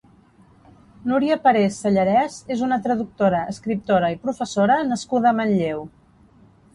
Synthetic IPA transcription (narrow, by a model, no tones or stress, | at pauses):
nuɾiəpəɾesːəʎəɾɛzezunət̪ɾəðuk̚t̪oɾəʔəskɾip̚t̪oɾəipɾufəsoɾənəskuð̞əːmənʎew